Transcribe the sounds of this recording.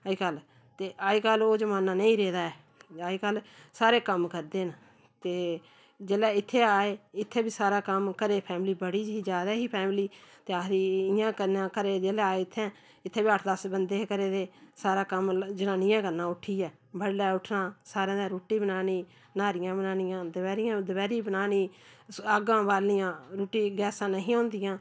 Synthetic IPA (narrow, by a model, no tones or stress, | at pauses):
aikəl | t̪eːʔaːiːkəloːd͡ʒəmaːnaːnəĩːɾeːd̪aːɛː | aːiːkəlsaːɾeːkəmkəɾd̪eːn | t̪eː | d͡ʒeːlɛːɪt̪ʰːeːaːeːɪt̪ʰːeːbiːsaːɾaːkəmkəɾeːpʰɛːmliːbəɽiːd͡ʒɦiːd͡ʒaːd̪aːɦiːpʰɛːmliːt̪eːaɾiːɪjãːkənãːkəɾeːd͡ʒeːlɛːaːeːɪt̪ʰːɛ̃ː | ɪt̪ʰːeːbiːəʈʰd̪əsbənd̪eːkəɾeːd̪eːsaːɾaːkəmd͡ʒənãːnɪjãːkəɾnãːʊʈʰːiːɛː | bəɽːɛːʊʈʰnãːsaːɾãːaːɾoːʈiːbənaːniː | naːɾɪjãːbənaːnɪjãːd̪əʋɛːɾɪjãːd̪əʋɛːɾiːbənaːniːaɡãːbaːɾlɪjãːɾoːʈiːɡɛːsãːnəɦĩːɦõːnd̪ɪjãː